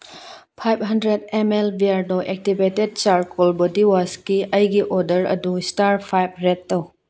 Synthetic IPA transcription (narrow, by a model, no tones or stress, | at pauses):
pʰajb̚ɦɐndɾedemelbiaɾdoʔek̚tibeted̚t͡ʃaɾkolbodiwaskiʔɐjɡiʔodɐɾɐ̰dustaɾpʰajb̚ɾetːow